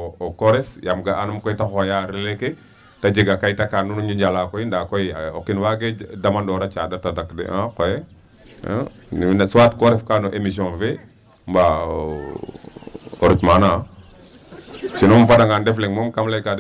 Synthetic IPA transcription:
okoɾesjamɡaʔanumkojtaxojaɾileke | tad͡ʒiɡakajtakanunuɲd͡ʒid͡ʒalakoindakojokinwaɡedamandɔɾat͡ʃa̰datadakdḛãkojḛ | nnsuwatkoɾefkanoʔemis̬ionfe | mba̰ | oɾitmana | t͡ʃinumfadaŋɡandefleŋmomkamlajka

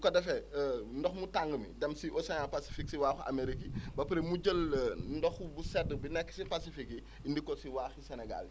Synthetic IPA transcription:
kɔdɛfɛndɔxmutaŋɡəmḭdɛmsiʔɔsɛjalpasi̥fiksiwaːxuʔa̰meɾikibɐpɾemuɟəlndɔxbusɛdəbinɛkːə̥sipasifiki | indikːɔsiwaːxisɛnɛɡa̰li

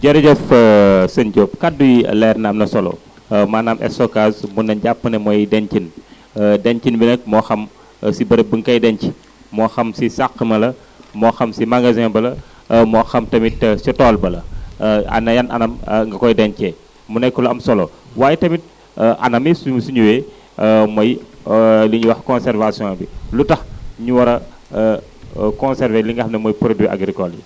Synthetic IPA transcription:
ɟɐɾɛdɛfsɐnɟoːp̚kadujilɛːrnɐɐmnɐsɔlɔ̰ | maːnamʔɛ̰sɔkaːsmunɐnɟapːɐnɛmɔjidɛncin | dɛɲcinbinɐk̚mɔːxɐm | sibɐɾɐbəŋkɐjdɛnci̥ | mɔːxɐmsisaxəmɐlɐ | mɔːxɐmsimaŋɡazɛ̃bɐlɐ | mɔxɐmtɐmitsitɔːlbɐlɐ̰ | ɐ̰nɐjɐnɐ̰nɐmŋɡɐkɔjdɛncɛ | munɛjkːɔlɐɐmsɔlɔ | waːjɛtɐmit̚ | ʔɐ̰nɐmissuɲuwɛ | mɔj | liɲuwɐxkɔnsɛɾvasijɔ̃bilutɐxɲuwɐɾɐ | kɔnsɛɾvɛliŋɡɐxɐmnɐmɔjpɾodiʔa̰ɡɾikɔljḭ

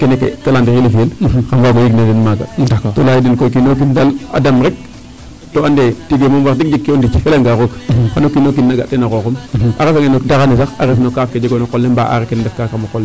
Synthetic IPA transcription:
kenekḛtalandiɾilifielkamwaɡojiɡnedinmaɡa̰tolajidinkojkinok̬intala̰damɾek̚ | toandetiɡemomwaɾdik̚d͡ʒikːiondit͡ʃifelaŋɡaɾokxanokinːok̬inːaɡa̰tenakokomʔa̰ɾasaŋɡenodakanisaxaɾefnokafked͡ʒiɡonokolːembaʔa̰ɾekendefkakamokolːe

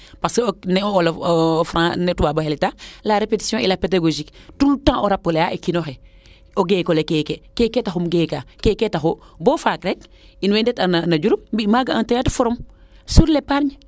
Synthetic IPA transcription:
paseonɛoolofɾãnetuwabahelitalaɾepeti̥sjɔ̃ʔḭlapedaɡoʒiktultãːʔoɾapːolejaʔekinoxe | oɡeːkolekeːkekeːketaxumɡeːkakeːketaxobofakɾek̚ | inwendetananaɟuɾumbimaɡaãntejatu̥foɾomsuɾlepaɾɲ

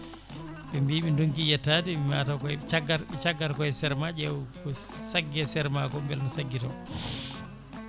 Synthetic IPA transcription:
ɓɛmbiɓinduŋkijɛtːadiɓimaːtakɔt͡ʃaɡaɾɓɛt͡ʃaɡːaɾkɔjɛsɛɾmad͡ʒɛwkɔsaɡːɛsɛɾmakɔmbɛlnasaɡːitɔ

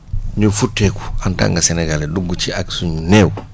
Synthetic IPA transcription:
ɲufutːeku̥anta̰ŋɡaseneɡaleduɡːut͡ʃiaksuɲuneːwu

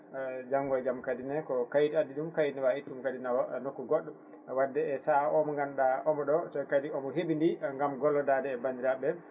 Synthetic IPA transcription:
d͡ʒaŋːɡɔjɡamkadinakɔkajitadːiɗumkajnɛwaitːumkadinawanokːuɡɔɗːɔm | wadːɛɛsaɔmɔŋɡanɗaʔɔmɔɗɔsɔkadiɔmɔɦeɓindiŋɡamɡɔlːɔdadɛːbandiɾaɓɛ

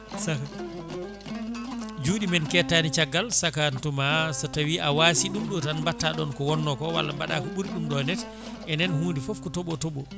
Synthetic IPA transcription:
saka | d͡ʒuːɗimɛnkɛtːanit͡ʃaɡːalsakantumasatawiʔawasiɗumɗɔtanbatːaɗɔnkɔwɔnːɔkɔwa̰lːa̰mba̰ɗa̰kɔɓuɾɗumɗɔnɛt | ʔɛnɛnhuːndifɔfkɔtɔɓɔtɔɓɔ

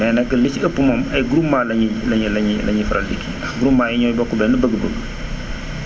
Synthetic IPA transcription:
mɛːnɛkːəliciəpːumɐmɐjɡɾumːaːlɐɲilɐɲilɐɲilɐɲifɐɾɐldikʰːiɐɡɾumːaːiɲɔjbɔkːubɛnːəbəɡəbəɡə

